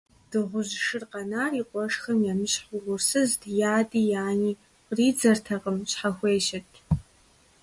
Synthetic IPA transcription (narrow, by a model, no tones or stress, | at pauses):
d̥ɨʁʷʊʒʂɨrqʼɑnaːriqʷʼɔʂxɐmjamɨɕħʷʊʁʷʊrsɨzdjaːdijaːniː | riːd͡zɐrtʰɐqʼəmɕʼħaxʷeːʃɐtʰ